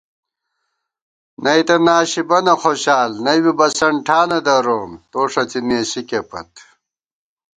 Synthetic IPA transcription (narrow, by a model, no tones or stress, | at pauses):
nʔɐit̪ɐnaːɕibɐnɐxoːɕaːlnɐjwibɐsɐɳʈʰaːnɐd̪ɐɾoːmt̪oːʂɐt͡simeːsikepɐ̰t̪